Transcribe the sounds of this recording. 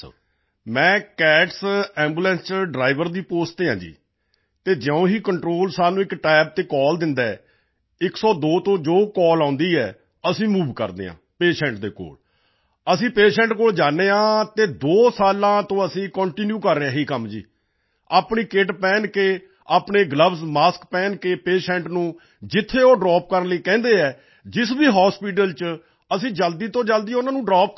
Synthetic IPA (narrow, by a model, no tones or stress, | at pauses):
mɛ̃ːkɛːʈsɛ̃ːmbuːlɛ̃ːnsɖɾaːɪʋəɾd̪iːpoːst̪eːãːd͡ʒḭː | t̪eːd͡ʒɛõːɦiːkəɳʈɾoːlsaːnũːɪkʈɛːb̚t̪eːkɔːld̪ɪnd̪aɛ | ɪksɔːd̪oːt̪õːd͡ʒoːkɔːlãːnd̪iːɛː | əsĩːmuːʋkə̰ɾd̪ḛːã̰ːpeːʃɛ̃ːɳʈd̪eːko̰ːl | əsĩːpeːʃɛ̃ːɳʈkoːld͡ʒaːneːãːt̪eːd̪oːsaːlãːt̪õːəsĩːkɔ̃ːɳʈɪnjuːkəɾːeãːɦiːkəmd͡ʒḭː | aːpɳiːkeʈpɛ̃ːnkeː | aːpneːɡləbsmaːskpɛːnkeːpeːʃɛ̃ːɳʈnũː | d͡ʒɪt̪ʰːeːoːɖɾɔːp̚kəɾənləiːkɛ̃ːnd̪eːɛː | d͡ʒɪsbiːɦɔːspiːʈ̬əlt͡ʃ | əsĩːd͡ʒəld̪iːt̪õːd͡ʒəld̪iːʊnãːnũːɖɾɔːp̚